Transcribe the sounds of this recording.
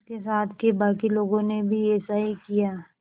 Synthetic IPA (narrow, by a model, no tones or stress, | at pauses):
kesaːt̪ʰkebaːkiloːɡõnebʱiɛːsaːɦikijaː